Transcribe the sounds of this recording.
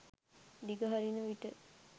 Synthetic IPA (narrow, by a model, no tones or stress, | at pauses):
d̪iɡəɦaɾinəʋiʈə